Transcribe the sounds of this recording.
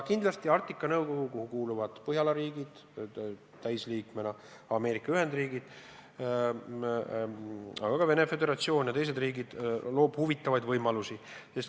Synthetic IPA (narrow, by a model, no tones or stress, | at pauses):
kind̪lɑst̪iɑrt̪ːˑikːˑɑnɤwko̞ɡ̥ukohukuːluvɑd̪̥pɤɦjɑlɑɾiːɡid̪̥ | t̪æjsliːkmenɑ | ɑme̞ːɾikːˑɑyɦe̞nd̪riːɡid̪̥ | ɑ̰ɡ̥ɑkɑve̞ne̞fe̞d̪e̞ɾɑt̪sio̞ːnjɑt̪e̞js̬e̞d̪riːɡid̪̥lo̞ːb̥huvit̪ːˑɑvɑjd̪vɤjmɑlusi | ses